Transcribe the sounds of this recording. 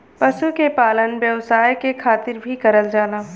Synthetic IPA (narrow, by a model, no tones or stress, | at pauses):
pɐʃukepaːlənʋjɐʋsaːjkekʰaːt̪ɪɾbʱikɐɾəld͡ʒaːnaː